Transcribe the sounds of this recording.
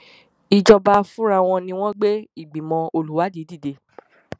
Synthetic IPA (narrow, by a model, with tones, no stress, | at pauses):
i˨d͡ʒɔ˧ba˧fũ˦ɾa˧w̃ɔ̃˧nĩ˧w̃ɔ̃˦ɡ͡be˦i˦˨ɡ͡bi˨mɔ̃˧o˧lu˨˦wa˨˦di˨˦di˦˨de˧˦